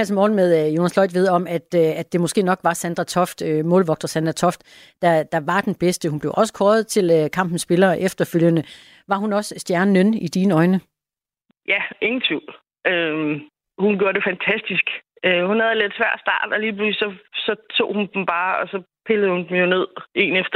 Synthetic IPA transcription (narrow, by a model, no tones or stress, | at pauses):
hæɐsimɒːn̩meðˠjoːnæslɒ̽ɪ̰dʋe̝ð̞ˠɒ̽mæd̥æ̥e̝mɔsɡ̥e̝̰ːnɒ̽ɡ̥ʋɑ̈sænd̥ʁɑt͡sʰɒ̽fd̥ømɔ̽ːlʋɒ̽ɡ̥̚d̥ʁɐsæn̥ʁɑt͡sʰɒ̽fd̥ | d̥ɑd̥ɑ̈ʋɑ̈d̥enb̥esd̥əhunb̥le̝ʊʔɒ̽sə̥kʰɒːð̞̩ˠt͡sʰe̝lkʰɑ̈m̰b̥n̩sb̥e̝lɐːʔefd̥ɐføljənə | ʋɑ̈hunɒ̽ssd̥jæɐnːønid̥iːnəɒ̽ɪnə | jæʔe̝ŋn̩t͡sʰḭːl | ʔøm | hunɡ̥jo̝ɐɾe̝fænt͡sʰæsd̥isɡ̥ | øhunhæðˠle̝d̥sʰʋæɐ̰̥sd̥ɑ̰̈ːd̥ɒliːpʰlusisɒ̽sɒ̽t͡sʰo̝̰ːhund̥m̩b̥ɑ̈ːɒsɒ̽pʰeləð̞̩ˠhund̥m̩jo̝ne̝ð̰ˠe̝̰ːnefd̥ɐ